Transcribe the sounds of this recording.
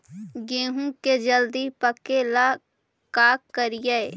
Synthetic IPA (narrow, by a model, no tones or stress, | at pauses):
ɡẽːɦũked͡ʒəld̪ipəkela | kaːkːəɾijəe